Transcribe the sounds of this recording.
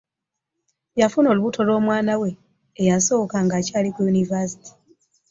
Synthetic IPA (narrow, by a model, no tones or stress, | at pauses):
jafuno̞ːluβutʰo̞lo̞ːmwaːnawe̞ː | jaso̞ːkaŋɡaːcaːlikujunivas̬i̥ti̥